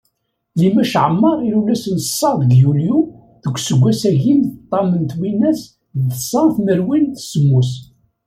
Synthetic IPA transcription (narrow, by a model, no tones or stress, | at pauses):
limæʃʕəmːɑʁiɾulæsənsˤːɑɾðɡjulju | ðəɡʷːsəɡʷːæsæʝinθət̪ˤːɑmənt̪winːæs | ðəsːɑnθməɾwinθsəmːus